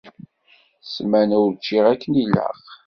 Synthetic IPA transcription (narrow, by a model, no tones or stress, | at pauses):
smænʊɾt͡ʃːiʁækːənilə̰q